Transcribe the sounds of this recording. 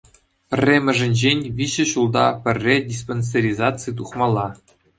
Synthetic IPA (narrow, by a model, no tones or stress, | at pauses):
pʲɘ̆rʲːemʲɘ̆ʐɘ̆nʲʑenʲʋʲiɕɘ̆ɕulˠd̪ɑpʲɘ̆rʲːedʲis̬ponʲs̬ʲeɾʲizɑt͡sɨt̪̬uχmɑlˠːɑ